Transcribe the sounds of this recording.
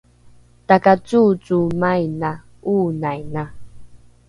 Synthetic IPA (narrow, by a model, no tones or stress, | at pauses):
takat͡sut͡sumajna | unajna